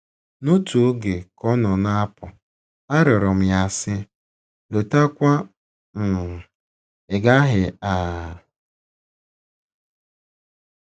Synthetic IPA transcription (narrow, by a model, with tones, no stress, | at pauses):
no˦tu˨o˦ɡe˨kɔ˦nɔ˨na˦pʊ˨ | a˦ɾʊ˨ɾʊ˨m̩˨ja˨sɪ˦ | lo˨ta˦kʷa˦ | m̩˨ | ɪ˨ɡa˦ɦɪ˨a˨